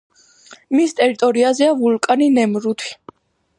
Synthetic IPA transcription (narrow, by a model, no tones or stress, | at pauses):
mist̪ʼɛɾit̪ʼɔɾiazɛavulkʼaninɛmɾut̪ʰi̥